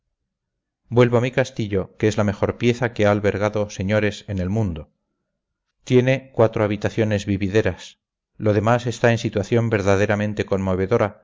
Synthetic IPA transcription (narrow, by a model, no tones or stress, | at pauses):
bwe̞lβoamikast̪iʎo̞keezlame̞xo̞ɾpje̞θakeaːlβe̞ɾɣ̞aðo̞se̞ɲo̞ɾe̞sene̞lmũnd̪o̞ | t̪je̞ne̞kwat̪ɾo̞aβ̞it̪aθjo̞ne̞zβiβiðe̞ɾas | lo̞ð̞e̞mase̞st̪ae̞nsit̪waθjo̞mbe̞ɾðaðe̞ɾamẽ̞nt̪e̞ko̞nmo̞β̞e̞ðo̞ɾa